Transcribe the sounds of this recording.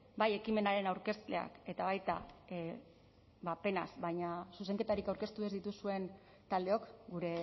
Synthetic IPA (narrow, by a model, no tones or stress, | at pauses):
baje̞kime̞naɾe̞nawɾke̞st̪e̞̰a̰ke̞t̪aβajt̪a̰ | bape̞na̰sbaɲasuse̞ŋke̞t̪aɾikawɾke̞st̪uezðit̪usue̞n | t̪ald̪e̞o̞kɡuɾe̞